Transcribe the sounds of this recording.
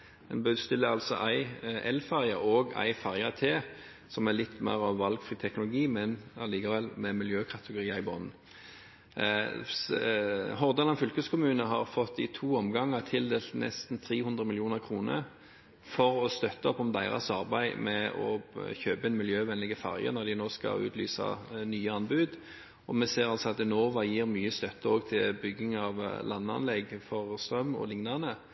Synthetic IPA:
d̪ɛnbøːd̪st̪ɪlːəɑlsɔ̰ʔæɪɛlfæʁjəoːɡæ̰ɪfæʁjɑt̪ʰeː | sɔmælɪt̪ːmæ̰ɪʁɑʋːɑlɡfʁiːt̪ʰɛknʊlʊɡiːmɛnɑliːkɑʋɛlmɛmɪljøːkʰɑt̪əɡʊɾiːəɪbɔnn̩ | ɦɔʁd̪ɑnɑnfʏlkəskʰʊmʉːnəɦɑʁfɔt̪ːɪt̪ʰuːɔmɡɑŋːət̪ʰɪld̪eːlt̪nɛ̰st̪nt̪ʰʁiːhʉnd̪ʁəmɪljuːnəʁkʰʁuːnə̰ɾ | fɔʁɔst̪œt̪ːəɔpɔmd̪æɪʁɑ̰sɑʁbæɪmɛɔ̰çøːpəɛnmɪljøːʋɛnlɪɡəfæ̰ʁjə̰nɔʁd̪ɪnoːskɑ̰ʉ̰ːt̪ly̰ːsɑ̰nyːəɑnbʉːd̪ | ɔmɛseːʁɑlsɔɑt̪ɪnoːʋɑjiːʁmyːəst̪œt̪ːəoːɡt̪ʰɪlbʏɡːɪŋɑʋlɑnːəɑ̰nlɛɡfɔʁst̪ʁœmːɔ̰lɪŋnɑʁnə

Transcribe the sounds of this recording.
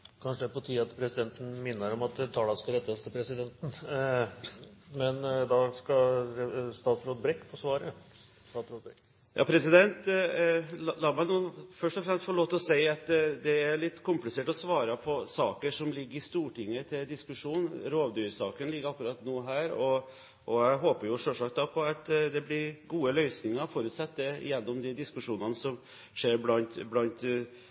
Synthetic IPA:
kʰɑnʂəd̪ɛpɔt̪ʰiːɑt̪pʰɾɛsɪd̪ɛnt̪ən̩mɪnːəɾɔmɑt̪t̪ʰɑːlɑskɑɾɛt̪ːɑst̪ʰɪlpʰɾɛsɪd̪ɛnt̪n̩ | mɛnd̪ɑskɑ | st̪ɑːt̪sɾoːd̪bɾɛkːpʰɔsʋɑːɾə | st̪ɑːt̪sɾoːd̪̚bɛ | jʔɑ̰ːpʰɾɛsɪd̪ɛnt̪ | llɑːɾmæɪnuːfœʂʈɔfɾɛmst̪fɔɭoːt̪ːɔseɪɑt̪d̪ɛæɾɭɪt̪ːkʰʊmplɪseːʈɔsʋɑːɾɑpʰɔsɑːkəʂɔmlɪɡːəɾɪst̪uːʈɪŋːət̪ʰɪld̪ɪskʉʂuːnɾoːʋd̪yːɾsɑːkənlɪɡːəɾɑkːʉɾɑt̪nuːɦæːɾɔ | ʔɔæɪɦoːpəɾjʊʂølʂɑk̚t̪̚d̪ɑpʰɔɑt̪d̪ɛblɪɾɡuːəlœʏsnɪŋɑɾɔfɔɾʉt̪sɛt̪ːəɪ̰jɛnːɔmd̪ɪd̪ɪskʉʂuːnɑnəsɔm | ʂeːɾblɑnt̪blɑnt̪

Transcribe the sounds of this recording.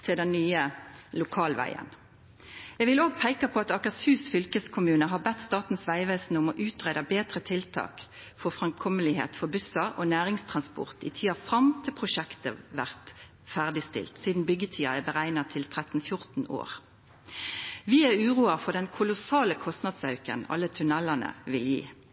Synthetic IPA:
t̪ʰɪld̪ɛnnyːəlʊkʰɑːlʋæ̰ɪə̰n | ɛɡʋɪloːɡ̚pʰæɪkɑpʰɔɑt̪ɑkɑshʉːsfʏlkəskʰʊmʉːnəɦɑbɛt̪ːst̪ɑːt̪n̩sʋæɪʋeːsn̩ʊmɔʔʉːt̪ʁeːd̪ɑbeːt̪ʁət̪ʰɪlt̪ʰɑ̰ːk | fɔfʁɑmkʰɔməlɪhḛːt̪fɔbʉsɑʔonæːʁɪŋst̪ʰʁɑnspɔ̰ʁt̪ɪ̰t̪ʰiːɑfʁɑmt̪ʰɪlpʰʁʊʃɛkt̪əʋæʁt̪ | fæʁd̪ɪst̪ɪ̰lt̪siːd̪n̩bʏɡət̪ʰiːɑ̰ɛbəʁæɪnɑt̪ʰɪlt̪ʰʁɛt̪n̩fjʊʁt̪n̩o̰ːʁ | ʋɪæʁʉːʁuːɑʁfɔʁd̪ɛnkʰʊlʊsɑːləkʰɔst̪nɑd̪sɑʉkə̰nɑ̰lːət̪ʰʉnɛlɑnə̰ʋɪljḭː

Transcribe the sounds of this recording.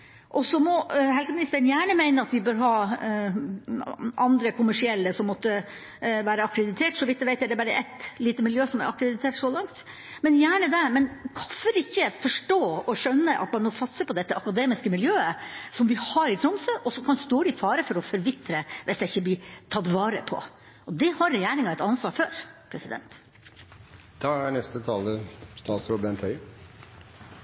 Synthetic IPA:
ʔɔsɔmɔɦɛlsəmɪnɪst̪əɾənjæːɳəmæɪnəɾɑt̪ʋɪbøːɾɦɑː | ɑnd̪ɾəkʰʊmæʂɪɛlːəsɔmːɔt̪ːə | ʋæːɾəɑkɾəd̪ɪt̪ʰeːʈsɔʋɪt̪̚d̪ɛʋæɪɛɪd̪ɛbɑɾə̰ʔɛ̰t̪liːt̪əmɪljøːsɔmæɾɑkɾəd̪ɪt̪ʰeːʈʂɔlɑŋt̪ | mɛnjæːɳəd̪ɛmɛnkʰɑfəɾɪçːəfɔʂʈoːɔʂœnːəʔɑ̰t̪mɑnmɔsɑt̪səpɔd̪ɛt̪ːəʔɑkɑd̪eːmɪskəmɪljøːəsɔmʋɪhɑɾɪt̪ʰɾɔmsøʔɔsːɔkʰɑnst̪uːɖɪfɑːɾəfɔɾɔfɔɾʋɪt̪ːɾəʋʔɛsd̪ɛɪçːəblɪt̪ʰɑt̪ːʋɑːɾəpʰɔ̰ | ʔɔd̪ɛhɑɾːɛjeːɾɪŋɑɛɪt̪ɑnsʋɑːɾføːɾpʰɾɛsɪd̪ɛ̰nt̪ | d̪̥ɑæɳɛst̪ət̪ʰɑːləst̪ɑːt̪sɾoːbɛnt̪ʰœʏ

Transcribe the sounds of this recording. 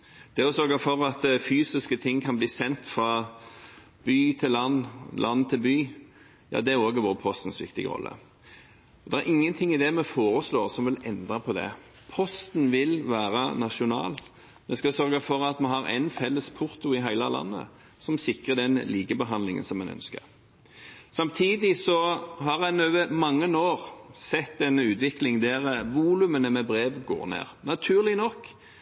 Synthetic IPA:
d̪̥ɛɔsœɾɡɑfɔɾɑt̪fyːsɪskət̪ʰɪŋːkʰɑnbliːsɛnt̪fɾɑ | b̥yːt̪ʰɪlːɑnːlʔɑnt̪ʰɪlbyː | jɑ̰ːd̪ɛæɾoːɡəʋoːɾəpʰɔst̪n̩sʋɪ̰k̚t̪ɪ̰ɡə̰ʁɔ̰lːə̰ | ɔd̪ɛæɾʁʔɪŋːənt̪ʰɪŋːɪd̪ɛmɛfoːɾəsloːʁsɔmʋɪlɛnd̪ʁɑpʰɔd̪ɛ̰ | pʰɔst̪n̩ʋɪlʋæːɾənɑʂʊnɑ̰ːl | mɛskɑsœɾɡɑfɔɾɑt̪mɛɦɑɾæ̰ɪnfɛlːəspʰʊɾt̪ʊɪɦæɪləlɑ̰nːə̰ | sɔmsɪkʁəd̪ɛnliːɡəbəɦɑnd̪lɪŋə̰nsɔmɛnœ̰nskə̰ʁ | sɑmt̪ʰiːd̪ɪsɔɦɑʁæɪnøʋəmɑŋːənoːʁsɛt̪d̪ɛnːəʉːt̪ʋɪklɪŋd̪ɛɾʋuːlʉmənəmɛbɾeːʋɡo̰ːɾnḛːʁnɑt̪ʰʉːɾlɪnɔkː

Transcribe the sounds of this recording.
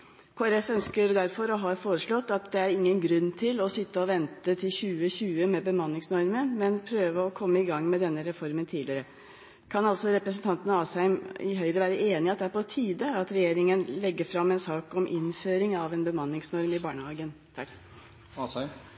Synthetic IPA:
kʰoːæɾɛfœnskəɾd̪æɾfɔɾɔɦɑfoːɾəʂɭɔt̪ːɑt̪̚d̪ɛæɾɪŋːənɡɾʉnːt̪ʰɪlɔsɪt̪ːəɔʋɛnt̪ət̪ʰɪlçʉːəçʉːəmɛbəmɑnːɪŋsnɔɾmənmɛnpʰɾøːʋəɔkʰɔmːəɪɡɑŋːmɛd̪ɛnːəɾɛfɔɾmənt̪ʰiːd̪lɪəɾə | kʰɑnɑlsɔɾɛpɾəsnt̪ʰɑnt̪ənəɑːsæɪmɪ̰ɦœʏɾəʋæːɾəʔeːnɪɑt̪̚d̪ɛæɾpɔt̪ʰiːd̪əɑt̪ɾɛjeːɾɪŋənlɛɡːəfɾɑmːɛnsɑːkɔmʔɪ̰nføːɾɪŋɑʋɛːnbəmɑnːɪŋsnɔɾmɪbɑːɳəhɑːɡənt̪ʰɑk

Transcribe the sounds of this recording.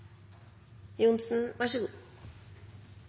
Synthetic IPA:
jʊnsn̩ʋaʂəɡuː

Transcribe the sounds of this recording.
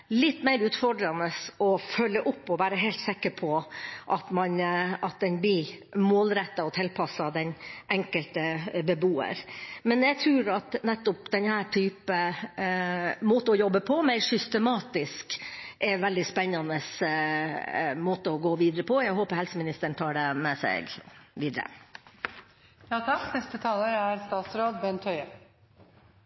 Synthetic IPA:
lɪt̪ːmæɪɾʉːt̪fɔɖɾɑnəsɔfœlːəʔʊpːɔʋæːɾəɦɛɪlt̪sɛkəɾpʰɔʔɑt̪mɑnɑt̪̚d̪ɛnb̪ɪ | moːlɾɛt̪ːɑɔt̪ʰɪlpʰɑsːɑd̪ɛnʔɛŋkəlt̪əbəbuːə̰ɾmɛnjæt̪ʰɾʉːɾɑt̪nɛt̪ːʊp̚d̪ɛnhæːʈʰyːpə | moːt̪əɔjɔbːəpʰɔmæɪɾsʏst̪əmɑːt̪ɪskʔɛʋɛld̪ɪspɛnːɑnəs | moːt̪əɔɡoːʋiːd̪əɾəpʰɔjæɡɦoːpəɾhɛlsəmɪnɪst̪əɳ̩t̪ʰɑːɖɛmɛsɛ̰ɡʋiːd̪əɾə̰ | jɑːt̪ʰɑkːnɛst̪ət̪ʰɑːləɾæɾst̪ɑːt̪sɾoːd̪bɛnt̪ʰœʏə

